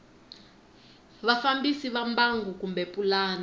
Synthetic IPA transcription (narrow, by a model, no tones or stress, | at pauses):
βafambisiβambaŋɡukumbɛpʼulaːna